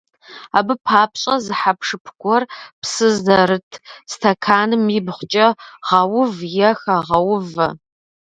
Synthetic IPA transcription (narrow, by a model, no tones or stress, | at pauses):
aːbɨpʰaːpɕʼɐzɨħapʰʂɨpʰɡʷɔrpsɨzɐrɨtʰstʰɐkʰaːnɨmibχʷt͡ʃʼɐʁɐwʊvjɛxɐʁɐwʊvɐ̰